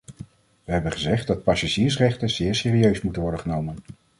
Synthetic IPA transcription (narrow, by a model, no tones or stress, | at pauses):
ʋəɦɛbənχəzɛχt̚dɑt̚pɑsaʒiːɹsrɛχtənz̥ɪːɹsɪːriøɥsmutənʋɔɹdəχənowmən